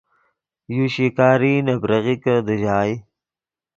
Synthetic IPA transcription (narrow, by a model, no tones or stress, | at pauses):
juɕikaːɾinɐbɾɐɣikəd̪əʑaːj